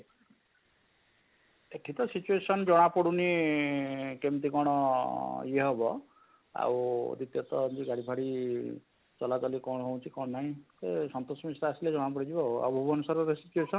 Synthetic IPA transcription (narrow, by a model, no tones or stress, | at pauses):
eʈʰit̪ɔsit͡ʃuesɔnd͡ʒɔɽ̃apɔɽuni | kemt̪ikɔɽ̃ɔ | jeɦɔbɔ | a̰wd̪it̪jɔt̪ɔnd͡ʒiɡaɽibʰʱaɽi | t͡ʃɔlat͡ʃɔlikɔɽɦow̃t͡ʃʰikɔnːaɦĩsesɔnt̪osɔmisɾaasiled͡ʒɔɽ̃apɔɽid͡ʒibɔɔ̰bʱubɔnusaɾɔɾesit͡ʃuesɔn